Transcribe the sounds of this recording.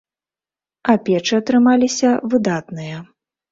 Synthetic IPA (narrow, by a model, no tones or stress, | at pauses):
ɐpʲɛt͡ʂɨɐt̪ɾɨmalʲisʲɐvɨd̪at̪nɨjɐ